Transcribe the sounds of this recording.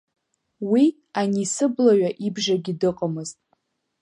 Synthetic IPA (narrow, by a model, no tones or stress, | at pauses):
wi | anisɨblaɥaʔibʒaɡʲidɨqʼəmɨztʼ